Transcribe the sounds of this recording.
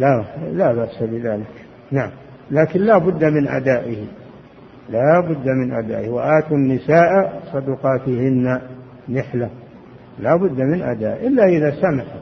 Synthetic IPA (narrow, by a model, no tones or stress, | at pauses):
lalaːbaʔsabɪðaːlɪk | naʕam | laːkɪnlaːbʊd̪ːamɪnʔa̰d̪aːʔɪhi | laːbʊd̪ːamɪnʔa̰d̪a̰ːʔɪhwaʔaːt̪unːɪsaːʔasˤɑd̪uqɑːt̪ɪhɪnːa | nɪħla | laːbʊd̪ːamɪnʔa̰d̪a̰ːʔʔɪlːaʔɪðasamaħa